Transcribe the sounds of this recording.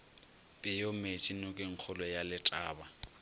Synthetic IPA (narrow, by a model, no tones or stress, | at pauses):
pʼɪjomet͡ʃʼinʊkʼɪŋ̩k͡xʰʊlɔjalɪtʼaːba